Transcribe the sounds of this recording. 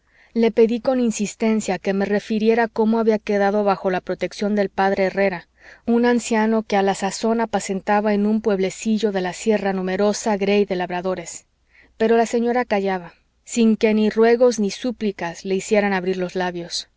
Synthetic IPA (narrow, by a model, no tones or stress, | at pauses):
le̞pe̞ðiko̞ninsist̪e̞nsjake̞me̞re̞fiɾje̞ɾako̞mo̞aβiake̞ðaðo̞βaxo̞lapɾo̞t̪e̞ksjo̞nd̪e̞lpaðɾʔe̞ːre̞ɾa | unansjano̞ke̞alasaso̞napase̞nt̪aβae̞nũmpwe̞βle̞siʝo̞ðe̞lasje̞ranũme̞ɾo̞saɣɾe̞jðe̞laβɾaðo̞ɾe̞s | pe̞ɾo̞lase̞ɲo̞ɾakaʝaβa | siŋke̞nirwe̞ɣo̞znisuplikasle̞isje̞ɾanaβɾiɾlo̞zlaβjo̞s